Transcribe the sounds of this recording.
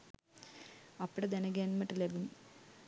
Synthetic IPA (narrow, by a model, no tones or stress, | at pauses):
ɐpːɐɽed̪enɐɡenmɐʈːilebum